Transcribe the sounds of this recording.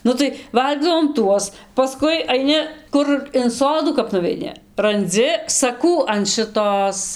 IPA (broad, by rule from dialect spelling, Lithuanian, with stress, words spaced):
ˈnʊ tɐɪ ˈʋɐlʲɡʲiːdɐʋoːm ˈtuɔs pɐˈskʊɪ ɐɪˈnʲɪ ˈkʊr ɪn ˈsoːduː kɐp nʊʋʲɛɪˈnʲɪ rɐnʲˈd͡zʲɪ sɐˈkuː ɐn ʃɨˈtoːs